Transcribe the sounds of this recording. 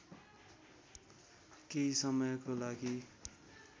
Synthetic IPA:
kesʌmʌjkolaɡi

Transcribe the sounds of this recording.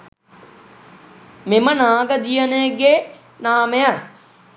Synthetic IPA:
memənaːɡəd̪ijənəɡe | naːməja

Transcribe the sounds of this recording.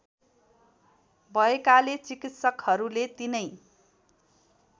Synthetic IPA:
bʱʌekalet͡sikit̪sʌkhʌɾulet̪inʌj

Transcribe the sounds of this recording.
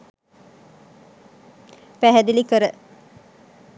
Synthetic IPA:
pæɦæd̪ilikəɾə

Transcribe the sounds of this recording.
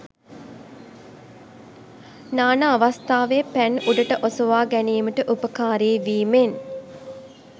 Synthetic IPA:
naːnaːʋast̪aːʋeːpænuɖəʈəʔosəʋaːɡæniːməʈəʔupəkaːɾeːʋiːmen

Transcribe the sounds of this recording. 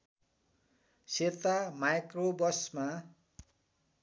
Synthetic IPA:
set̪amajkrobʌsma

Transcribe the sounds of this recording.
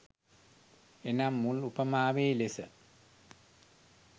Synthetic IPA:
enamːulupəmaːʋeːlesə

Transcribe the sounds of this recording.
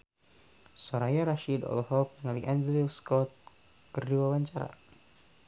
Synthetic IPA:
sɔɾajaɾaʃidɔ̰lɔɦɔk̚nŋaliʔand͡ʒliwskɔt̪̚ | kərd͡ʒuwawaɲt͡ʃaɾa̰

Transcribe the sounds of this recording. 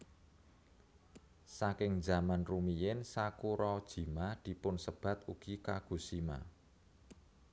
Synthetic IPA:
sakɪŋd͡ʒa̤manrumijɪnsakuɾɔd̥ʒ̥i̤mad̪̥i̤pʊnsəb̥ä̤t̪uɡ̥i̤kaɡ̥ṳsima̰

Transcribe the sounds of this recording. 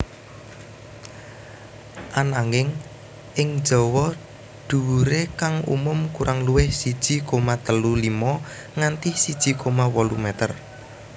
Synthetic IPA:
ʔanaŋɪŋ | ʔɪŋ̥d͡ʒ̥ɔ̤wɔ | ɖ̪̥ṳwuɾekaŋṵmʊmkuɾʔaŋluwɪhsid̥ʒ̥i̤komat̪əlulimɔ | ŋant̪isid̥ʒ̥i̤kʰomawɔlumɛt̪ə̰r

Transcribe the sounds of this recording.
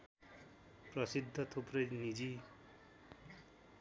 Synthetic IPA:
prʌsid̪ʱːʌt̪ʰoprʌjnid͡zi

